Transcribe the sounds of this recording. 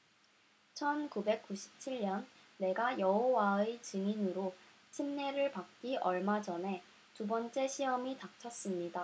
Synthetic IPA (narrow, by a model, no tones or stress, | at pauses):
t͡ɕʰʌnkube̞k̚k͈uɕʰi̥p̚t͡ɕʰiɭɲʌnː | e̞ɡajʌɦowaet͡ɕɯŋinɯɾo | t͡ɕʰimneɾɯɭpak̚k͈iʔʌɭmad͡ʑʌnɦe̞ | tubʌnt͡ɕ͈e̞ɕʰiʌmitak̚t͡ɕʰʌs͈ɯmɲida